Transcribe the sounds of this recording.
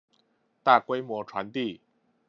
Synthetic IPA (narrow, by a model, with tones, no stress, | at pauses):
t̪a˥˩kwe˥ɪmwɔ˧˥ʈ͡ʂʰwa˧˥nt̪i˥˩